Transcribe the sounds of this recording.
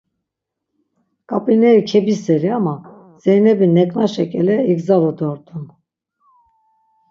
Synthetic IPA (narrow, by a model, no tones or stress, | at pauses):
kʼapʼinɛɾikʰɛbisɛɾiama | z̥ɛjnɛbinɛkʼnaʃɛkʼɛlɛiɡzalɔd̪ɔɾt̪ʼun